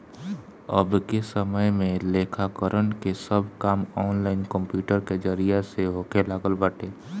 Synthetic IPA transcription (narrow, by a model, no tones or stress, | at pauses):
ə̰bkesəməjmẽleːkʰakəɾʔənkesəbkaːmɔːnlaːɪnkə̃mpjuːʈəɾked͡ʒəɾijaseɦoːkelaːɡəlbəʈeː